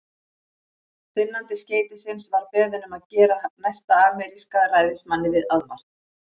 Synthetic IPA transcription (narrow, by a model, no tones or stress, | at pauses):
fɪnːant̪ɪsceːjt̪ɪsɪnsvaɾpɛːðʏnʏmaðcɛːɾanajst̪aaːmɛɾiskaraːjðɪsmanːɪvɪðaðma̰r̥t̪n̥